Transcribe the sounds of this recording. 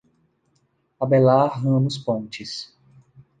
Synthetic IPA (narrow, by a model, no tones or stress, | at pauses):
abɛlaɦɐ̃mʊspõnt͡ʃɪs